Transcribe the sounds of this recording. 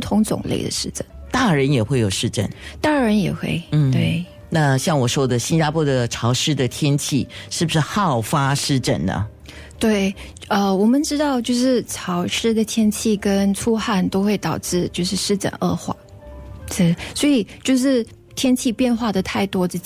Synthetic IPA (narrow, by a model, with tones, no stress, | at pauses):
pu˥˩t̪ʰʊ˧˥ŋt͡sʊ̰˨˩ŋlḛ˥˩ɪd̪ə̰˩ʂɻ̩˥˩ʈ͡ʂə˥˩nt̪a˥˩ɻə˧˥njɛ˨˩xwe˥˩ɪjo˨˩ʊʂɻ̩˥˧ʈ͡ʂə̰˥˩nt̪a˥˩ɻə˧˥njɛ˨˩xwe˥˩ɪn̩˥˧t̪we˥˩ɪ | na˥˧ɕjɑ˥˩ŋwɔ˨˩ʂwɔ˥d̪ə˨ɕi˥nt͡ɕa˥pʰwɔ˥d̪ə˨ʈ͡ʂʰɑ˧˥ʊʂɻ̩˥d̪ə˨t̪ʰjɛ˥nt͡ɕʰi˥˧ʂɻ̩˥˩bu˩ʂɻ̩˥˩xɑ˥˩ʊfa˥ʂɻ̩˥˧ʈ͡ʂə̰˥˩nnə̰˩ | t̪we˥˩ɪ | ə˧wɔ˨˩mə˨˦nʈ͡ʂɻ̩˥t̪ɑ˥˧ʊt͡ɕjo˥˧ʊʂɻ̩˥˩ʈ͡ʂʰɑ˧˥ʊʂɻ̩˥d̪ə˨t̪ʰjɛ˥nt͡ɕʰi˥˩kə˥nʈ͡ʂʰu˥xa˥˩nt̪o˥ʊxwe˥˩ɪt̪ɑ˨˩ʊʈ͡ʂɻ̩˥˧t͡ɕjo˥˧ʊʂɻ̩˥˧ʂɻ̩˥˩ʈ͡ʂə̰˨˩˦nʔə̰˥˧xwa̰˥˩ | ʂ̩˥˩swɔ˧˥i˨˩t͡ɕjo˥˧ʊʂɻ̩˥˩ | t̪ʰjɛ˥nt͡ɕʰi˥˧pjɛ˥˧nxwa˥˩d̪ə˩t̪ʰa˥˩ɪt̪wɔ˥ʈ͡ʂ̩˥˩